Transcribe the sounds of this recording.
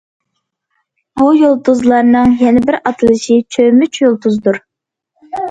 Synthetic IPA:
bujolˠt̪uzlˠɑɾnɨŋjɛnɛbɪɾɑt̪ʰɨlˠɨʃit͡ʃʰømɪt͡ʃʰjolˠt̪ʰuzd̪uɾ

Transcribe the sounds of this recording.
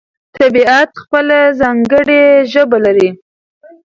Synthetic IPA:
t̪abiat̪xpəlazɑŋɡəɽeʒəbalaɾi

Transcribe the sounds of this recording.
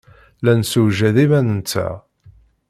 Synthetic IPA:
lænsuʒæðimænənt͡sːæ̰

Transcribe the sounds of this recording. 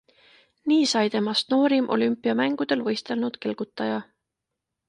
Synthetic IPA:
niːsɑjt̪e̞mɑst̪no̞ːɾimʔo̞̰lympːˑiɑmæŋɡ̥ud̪̥e̞lvɤ̞jst̪e̞lnud̪̥ke̞lɡ̥ut̪ːˑɑjɑ

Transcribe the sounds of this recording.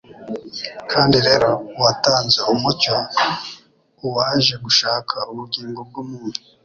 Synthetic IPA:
kʰaːndiɾe̞ːɾo̞wataːnze̞umuco | uwaːʒe̞ɡuʃaːkʰauβuɡiːŋɡo̞b̚ɡumuːni

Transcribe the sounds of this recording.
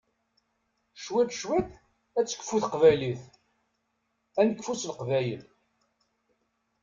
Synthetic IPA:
ʃwæt̪ʃwæt̪ | æt͡sːə̥kːfːuθqvæjliθ | ænəkːfuslqvæjə̰l

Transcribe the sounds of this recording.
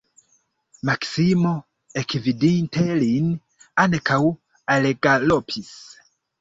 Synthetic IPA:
maksimo | ekvidintʰelin | ankaw | aleɡalopʰis

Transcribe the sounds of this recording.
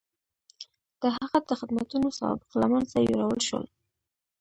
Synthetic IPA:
d̪̥əɦaɣad̪əxɪd̪mat̪unosɑ̰bɪqlamanzajo̰ɾawəlʃwə̰l

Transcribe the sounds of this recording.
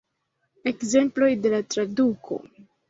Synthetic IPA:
e̞kze̞mplo̞jde̞latɾadukʰo̞̰

